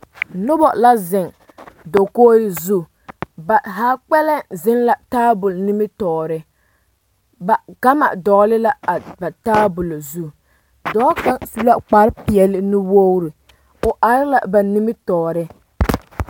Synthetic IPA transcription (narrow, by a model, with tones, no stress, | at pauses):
nʊ˦bɔ˨la˦zɪ˨ŋ | do˨koː˦ɾɪ˦zu˦ | ba˨ɦaː˨˦k͡pɛ˦lɛ˦zɪ˦nla˨taː˦bʊ˨lni˦mɪ˦tɔː˨ɾɪ˦ | ba˨ɡ̥a˦ma̰˨dɔ˨˦lɪ˦la˦a˨ba˨taː˦bʊ˨lo˨zu˦ | dɔː˨˦ka˦su˦la˦k͡pa˨˦ɾpɪ˨ɛ˨lɪ˦nɪ˦wo˦wɾɪ˨ | ʊ˨ʔa˨ɾɪ˦la˨ba˨ni˦mɪ˦tɔː˨ɾɪ˦